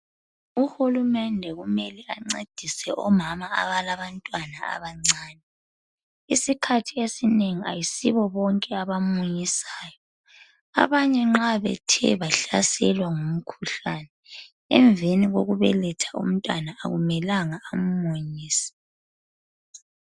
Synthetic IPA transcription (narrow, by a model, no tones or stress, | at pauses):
uhulumɛndʱɛɣumɛlɛʔaŋ͡ǀed̥ʱisɛʔɔmamaa̰βalaβantʼwanaa̰βaŋ͡ǀaːnɛ | isikʰatʰiesineŋia̰jisiβɔβɔŋkʼɛaβamuɲisaːjɔ | a̰βaɲɛŋ͡ǁaβɛ̰tʰɛ̰βaɬasɛlwaŋum̩kʰuɬanɛ | ɛ̰ɱbvʱeniɣoɣuβɛ̰lɛtʰḁṵm̩tʼwana̰ːɣumɛlaŋaːm̩moɲiːsɛ̥